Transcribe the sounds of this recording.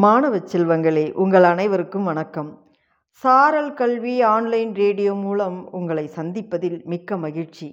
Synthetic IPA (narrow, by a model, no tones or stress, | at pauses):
maːnɐʋɐt͡ʃːɛlʋɐŋɡɐɭeːʔʊŋɡɐɭɐnɐɪʋɐɾɯkːɯmʋɐnɐkːɐm | saːɾɐlkɐɭʋiaːnlɐɪnɾeːɽɪjoːmuːlɐmʊŋɡɐɭɐɪsɐnd̪ɪpːɐðɪlmɪkːɐmɐɣɪɾt͡ʃi